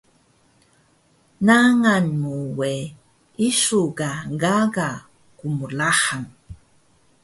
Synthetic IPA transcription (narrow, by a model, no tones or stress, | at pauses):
naŋanmuwe | isukaɡaɡa | kumulaħaŋ